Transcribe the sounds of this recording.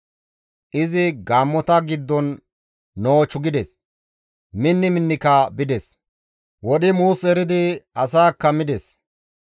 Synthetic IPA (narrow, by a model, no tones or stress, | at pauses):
ʔɪzɪɡaːmːɔt̪ɐɡɪd̪ːɔnː | oːt͡ʃːʊɡɪd̪ɛs | mɪnːɪmɪnːɪkɐbɪd̪ɛs | wɔɗɪmuːsɛɾɪd̪ɪɐsaːkːɐmɪd̪ɛs